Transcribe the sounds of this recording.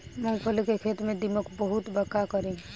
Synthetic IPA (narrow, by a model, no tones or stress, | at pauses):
mə̃ŋɡpʰəlkekʰeːt̪mẽd̪iməkbəɦut̪bəkakəɾẽ